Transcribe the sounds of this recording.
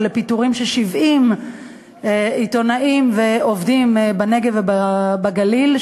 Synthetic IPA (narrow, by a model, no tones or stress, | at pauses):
lepituʁimʃeʃivʔim | ito̞naʔimve̞ovdimbaneɡevebabaɡalil